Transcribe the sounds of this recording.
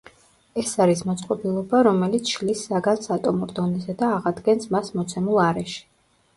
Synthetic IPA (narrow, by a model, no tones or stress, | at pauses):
ɛsaɾismɔt̪sʼqʼɔbilˠɔbaɾɔmɛlit̪sʰʃlisːaɡansat̪ʼɔmuɾd̪ɔnɛzɛd̪aːʁad̪ɡɛnsmasmɔt̪sʰɛmulˠaɾɛʃi̥